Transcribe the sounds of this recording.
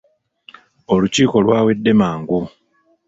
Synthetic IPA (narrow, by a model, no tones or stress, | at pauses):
o̞luciːko̞lwaːwe̞dːe̞maːŋɡu